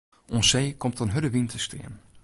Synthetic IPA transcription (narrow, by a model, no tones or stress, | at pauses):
ʔɔnseːkɔmtɔnɦødəʋintʰəstɪ̰ən